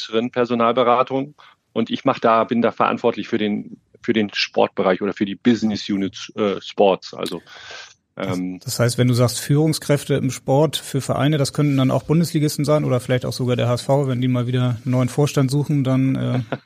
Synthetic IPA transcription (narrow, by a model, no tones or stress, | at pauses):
səʁənpʰɛɐzonaːlbəʁaːtʰʊŋ | ʔʊntʔɪçmaχəd̥aːbɪndaːfɛɐʔa̰ntv̥ɔɐtlɪçfyːɐɾeːn | fyːɐdeːnʃpɔ̰ɐt̚b̥əʁaɪçʔoːɾɐfyːɐdiːb̥ɪznɪsjuːnɪtʔɛːʃpɔɐtsʔa̰lzo | ʔɛːmd̥ashaɪstvɛnduːzaːkstfyːʁ̞ʊŋskʁ̥ɛftəɪ̰mʃpɔɐtfyːɐfɛɐʔa̰ɪnədaskʰœntn̩dana̰ʊxb̥ʊndəsliːɡɪstn̩zaɪnʔo̰ːdɐfɪlaɪçtaʊxz̥oɡaːdeːɐhaːɛsfaʊvɛndiːmaːlviːdɐnɔʏənfoːɐʃtantz̥uːxn̩danʔɛː